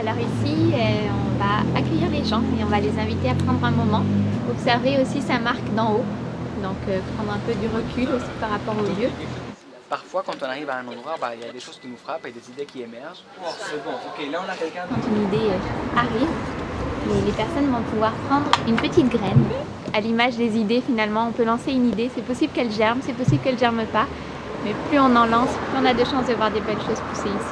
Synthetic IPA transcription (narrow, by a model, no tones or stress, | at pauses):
alɔʁisiø | ɔ̃vaːkʲœjiʁleʒɑ̃eɔ̃valezɛ̃vit̪eapχɑ̃d̪ʁɛ̃mɔmɑ̃ɔpsɛʁveosisamaʁkd̪ɑ̃od̪ɔ̃køpχɑ̃d̪ʁɛ̃pød̪yʁəkʰʲylosi̥paʁːapɔʁoljø | paʁfwakɑ̃t̪ɔ̃naʁivaɛ̃nɑ̃d̪ʁwaʁbailjad̪eʃoz̥kʲinufχaped̪ezid̪ekʲiemɛʁʒ | kaɛ̃kɑ̃t̪ynid̪eøaʁiv | lelepɛʁsɔnvɔ̃puvwaʁpχɑ̃d̪ʁynpət̪it̪ɡʁɛn | alimaʒd̪ezid̪efinalmɑ̃ɔ̃pølɑ̃seynid̪esɛpɔsiblkɛlʒɛʁmsɛpɔsiblkɛlʒɛʁməpa | mɛplyɔ̃nɑ̃lɑ̃splyɔ̃nad̪əʃɑ̃sd̪əvwaʁd̪ebɛlʃozpuseisi̥